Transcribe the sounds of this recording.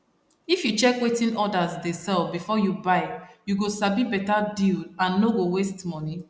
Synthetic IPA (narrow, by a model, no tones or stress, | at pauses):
ifjut͡ʃɛkwetĩnɔdazdɛ̃sɛlfbifɔjubaɪjuɡosabibɛtadilãnːoɡowestmɔni